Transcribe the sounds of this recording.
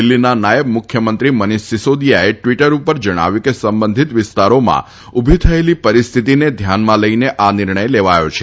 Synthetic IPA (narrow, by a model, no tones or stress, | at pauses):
ɪlːinanajəbmʊkʰjəmə̃nt̪ɾiməniʃsɪsod̪jaeʈʋiʈəɾupəɾd͡ʒəɽ̃a̰ʋjũkesəmbənd̪ʱit̪ʋɪst̪aɾomã̰ | ubʱit̪ʰəelipəɾist̪ʰit̪ined̪ʱjanmãləineʔanɪɾɳ̃əjleʋajo̰t͡ʃʰe